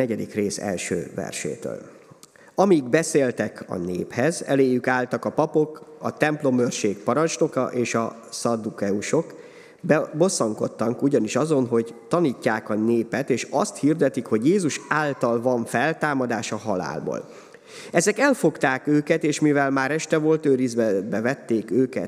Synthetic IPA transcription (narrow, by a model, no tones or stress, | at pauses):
ɛɟɛd̪ikreːsɛ̰lʃø̰ːvɛ̰rʃḛːt̪ø̰ːl | ɒmiɡbɛseːlt̪ɛkʰɒ̰nḛːphɛzɛ̰leːjːykaːlt̪ɒkɒpɒpo̞kɒ̰t̪ɛmplo̞mørʃeːkpɒɾɒnt͡ʃno̞kɒ̰ʔeːʃɒ | sɒd̪ukɛuʃo̞k | bbo̞sːɒŋko̞t̪ːɒŋkuɟɒniʃɒzo̞nɦo̞ɟt̪ɒniːcːaːkɒneːpɛt̪eːʃɒ̰st̪hird̪ɛt̪ikho̞ɟjeːzuʃaːlt̪ɒlvɒɱfɛlt̪aːmɒd̪aːʃɒɦɒla̰ːlbo̰ːl | ɛzɛkɛlfo̞kt̪aːkøːkɛt̪eːʃmivɛlmaːɾɛʃt̪ɛvo̞lt̪øːɾizbɛbɛvɛt̪ːeːkøːkɛ̰t̪